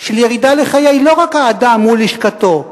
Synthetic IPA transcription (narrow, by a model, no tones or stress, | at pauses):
ʃeljeʁid̪aleχajajlo̞ʁakhaːd̪amːuliʃkat̪o̞